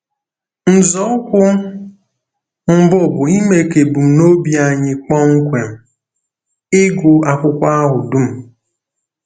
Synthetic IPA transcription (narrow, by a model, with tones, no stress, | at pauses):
n̩˨zɔ˦kʷʊ˦ | m̩˦˨bʊ˦˨bʊ˨i˦me˨ke˨bu˨m̩˨no˦bi˨˦a˨ɲɪ˨k͡pɔ˦ŋ̩˦kʷe˨m̩˨ | ɪ˦ɡʊ˨a˨kʷʊ˦kʷa˦a˦ɦʊ˨du˦m̩˨